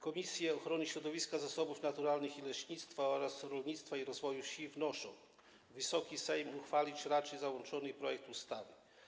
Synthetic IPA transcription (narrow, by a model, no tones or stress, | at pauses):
kɔmʲisʲjɛɔxɾɔɲiɕɾɔd̪ɔvʲiskazasɔbufnat̪uɾalnɘxilɛɕɲit̪st̪faɔɾasɾɔlɲit̪st̪faiɾɔzvɔjufɕivnɔʂɔ̰̃w̃ | vɘsɔkʲisɛjmuxfalʲit͡ɕɾat͡ʂɛjzawɔnt͡ʂɔnɘpɾɔjɛk̚t̪ust̪avɘ